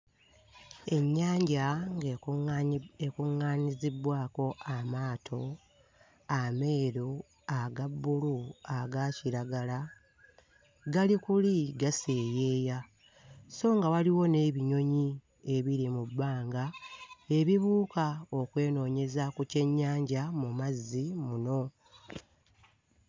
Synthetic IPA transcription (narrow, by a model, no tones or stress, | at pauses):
e̞ɲːaːɲɟa | ekuŋːaːnizibwaːko̞amaːtʰo̞ | ame̞ːɾo | aɡabːuluaɡaciɾaɡala | ɡalikuliɡase̞ːje̞ːja | so̞ːŋɡawaliwo̞ne̞ːβiɲo̞ɲi | e̞βiɾimubːaːŋɡae̞βiβuːkao̞kwe̞ːno̞ːɲe̞zakuce̞ɲːaːɲɟamumazːimuno̞